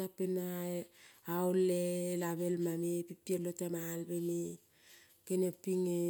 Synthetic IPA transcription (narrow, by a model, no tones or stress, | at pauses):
apenaawlelaβe̞lmamepipielotamalbeme | kenepiŋe